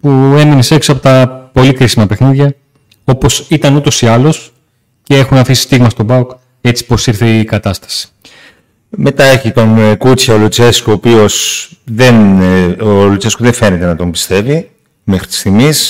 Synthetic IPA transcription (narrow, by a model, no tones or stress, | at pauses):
pue̞mine̞se̞ksoɐpot̪ɐpo̞likɾisimɐpe̞xniðʝɐ | o̞po̞sit̪ɐnut̪o̞siɐlo̞s | cee̞xunɐfisi̥st̪iɣmɐst̪o̞bɐuk | e̞t͡si̥po̞siɾθekɐt̪ɐst̪ɐ̥si̥ | me̞t̪ɐeçit̪o̞nkut͡sçɐolut͡seskoːpio̞sðenolut͡seskuðefe̞net̪e̞nɐt̪o̞mbi̥st̪e̞vi | mexɾi̥t̪i̥st̪iɣmis